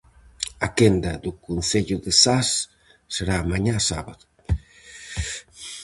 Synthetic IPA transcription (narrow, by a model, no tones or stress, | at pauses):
akend̪aðukunθeʎuðesasː | eɾaːmaɲasa̰βaðu